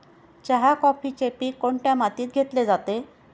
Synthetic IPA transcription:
t͡ɕaɦakɔpiːt͡ɕepiːkoɳʈjamat̪iːt̪̚ɡʱet̪led͡zat̪e

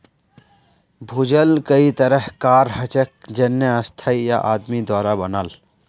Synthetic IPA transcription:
bʱud͡ʒəlkəit̪əɾəɦkaːɾhət͡ʃək̚d͡ʒənːjəə̃st̪ʰaija̰ʔaːd̪mid̪waːɾabənaːl

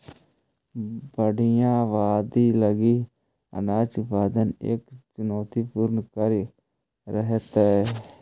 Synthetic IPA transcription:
bəɽɪjãːʋaːd̪iːləɡiː | ə̰naːt͡ʃpaːd̪ənḛkt͡ʃʊnoːt̪iːpuɾnkəɾi | ɾəɦet̪eː

